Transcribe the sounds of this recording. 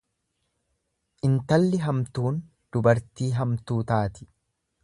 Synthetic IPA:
ʔɪnt̪ɐlːɪɦɐmt̪uːn | d̪̥ʊbɐɾt̪iːɦɐmt̪uːt̪aːt̪ɪ̥

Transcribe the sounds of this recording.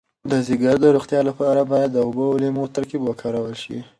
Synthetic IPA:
d̪əziɡaɾd̪əɾuxt̪jɑlapɑɾabɑjad̪ːəobəlemot̪əɾkebwəkʰɑɾawəlʃḭ

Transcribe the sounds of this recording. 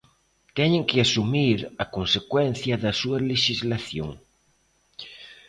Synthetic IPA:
t̪ɛɲẽŋkeasumiɾɐkonsekwɛn̟θjɐðɐsuɐleʃizlaθjo̰ŋ

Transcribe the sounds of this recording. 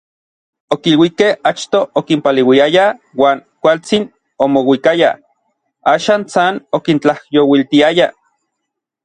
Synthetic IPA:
okilwikehat͡ʃt̪oʔokimpalewiaja | waːnkʷalt͡sin | omowikaja̰ | aːʃaːnsanokint͡ɬahjowilt̪iaja

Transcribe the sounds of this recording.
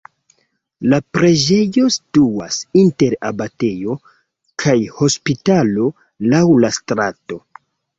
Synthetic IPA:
lapɾe̞d͡ʒe̞jo̞stuasinte̞ɾabate̞jo̞ | kʰajho̞spitalo̞ | lawlastɾato̞

